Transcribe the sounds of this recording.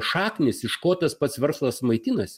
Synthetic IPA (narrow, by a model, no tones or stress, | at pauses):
ʃɑːknʲɪsɪʃkoːt̪ɐspɐt̪sʋʲɛɾslˠɐsmɐɪt̪ʲɪnɐsʲ